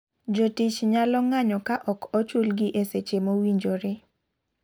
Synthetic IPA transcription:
d͡ʒotit͡ʃɲalɔŋaɲɔkaʔɔkɔt͡ʃwolɡɪʔeset͡ʃemowiɲd͡ʒoɾɪ

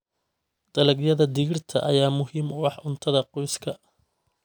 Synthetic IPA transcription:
d̪̥ɐlɐɡjɐðɐd̪ɪɣɪrt̪ʰɐ̰ʔɐ̰jaːmʊɦiːmʊwɑħʊnt̪ʰɐðɐqɔjskʰɐ

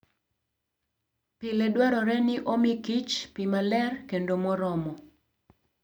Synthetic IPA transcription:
pilɛdwaɾɔɾɛnɪʔomikit͡ʃpimalɛrkendomɔɾɔmɔ

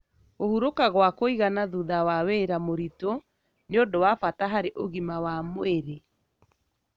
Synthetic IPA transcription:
ohuɾokaɣwakoiɣanaðuðawaweɾamoɾito | neodowafataɦaɾeʔoɣimawamoeɾe

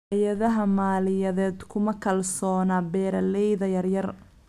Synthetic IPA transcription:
jɐðɐɦɐmaːlɪjɐðɛːd̪kʰʊmɐkʰɐlsɔːnaːbɛːɾɐlɛjðɐjɐrjɐr

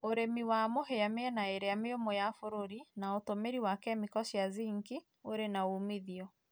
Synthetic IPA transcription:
oɾemiwamoɦeameɛnaeɾejameomojafoɾoɾinaotomeɾiwakɛmikɔʃjaziŋɡi | oɾenaumiðiɔ

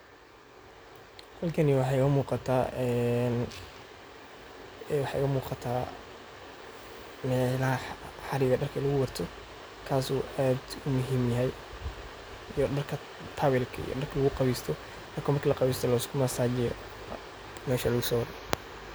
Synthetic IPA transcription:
hɐlkʰɐniwɑħɑjɣɐmuːqɑt̪ʰaːɛn | wɑħɑɣɐmuːqɑt̪ʰaː | mɛːlɐɦɐħɑɾɪɣɐɖɐrkʰɐlɐɣʊwɑrt̪ʰɔ | kʰaːsuːʔaːd̪ʊmʊɦiːmjɐɦɛj | ijɔɖɐrkʰɐ | t̪ʰɐwɛlkʰɐḭjɔ̰ɖɐrkʰlɐɣʊqɑβiːst̪ʰɔ | ɐkʰɔmɐrkʰɐlɐqɑβiːst̪ʰɔlɔskʰʊmɐsaːt͡ʃɪjɔ | mɛːʃɐlɐɣʊsɔːwɑrɔ

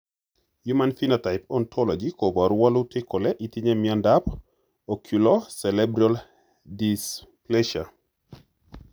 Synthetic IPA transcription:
jumanfinataɪpɔntʰɔlɔd͡ʒikobaɾwalutʰɪkɔlɛʔit̪iɲɛmjɔndap | okʰulɔsɛlɛbɾɔl | displɛʃa

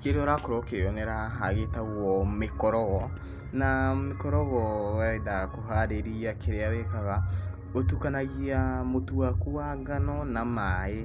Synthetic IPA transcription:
keɾɔɾakoɾɔkeɔnɛɾaɦaɣetaɣwɔmekɔɾɔɣɔ | namekɔɾɔɣɔwɛdakoɦaɾeɾiakʰeɾeawekaɣa | otukanaɣiamotuwakuaɡanɔnamae

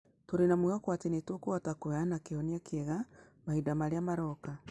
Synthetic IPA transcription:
toɾenamwuɣakwatenetwokwatakoanakeɔniakɛɣamahidamaɾeamaɾɔka

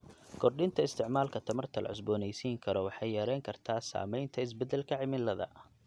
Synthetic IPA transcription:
kʰɔrɗɪnt̪ʰɐɪst̪ʰɪʕmaːlkʰɐt̪ʰɐmɐrt̪ʰɐlʔɐ̰ʕʊs̬bɔːnɛjsiːŋkʰɐɾɔwɑħɑjːɐɾɛjŋkʰɐrt̪ʰaːsa̰ːmɛjnt̪ʰɐɪs̬bɛd̪ɛlkʰɐʕɪmɪlːɐðɐ̰

